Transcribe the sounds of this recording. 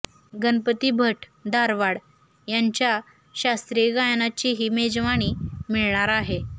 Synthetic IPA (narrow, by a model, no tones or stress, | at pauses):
ɡənpət̪iːbʱəʈd̪aɾʋaɽ | jaɲt͡ɕja | ɕast̪ɾiɡajnat͡ɕiɦiːmed͡zʋaɽ̃iːmiɭɳaɾaɦe